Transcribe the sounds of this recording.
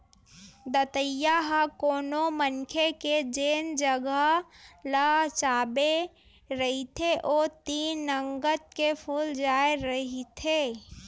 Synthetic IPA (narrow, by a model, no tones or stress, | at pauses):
d̪ət̪əjaɦəkoːnomənkʰeked͡ʒeːnd͡ʒəɡələɡt͡ʃaːbe | ɾəɦit̪ʰeʔoːt̪iːnːəŋɡət̪̚kepʰuːld͡ʒaːeɾəɦit̪ʰeː